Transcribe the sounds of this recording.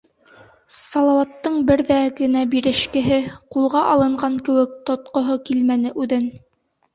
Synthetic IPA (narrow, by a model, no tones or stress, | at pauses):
sɑlˠɑwɑt̪ːɤɴbɘɾðæɡɘ̆næbiɾɘ̆ʃkɘ̆ɦɘqulˠʁɑʔɑlˠɤ̆ɴɢɑŋkɘ̆wɘk̚t̪ŏt̪̚qŏɦokilmænɘʔʉðɘn